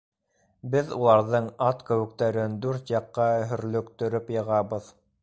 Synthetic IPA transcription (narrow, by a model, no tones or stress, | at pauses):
bɘðulˠɑɾðɤɴɑt̪kɵ̆wɘ̆k̚t̪æɾɘnd̪ʉɾt̪jɑqːɑɦɵ̆ɾlɵ̆kt̪ɵ̆ɾɵpjɤ̆ʁɑβɤð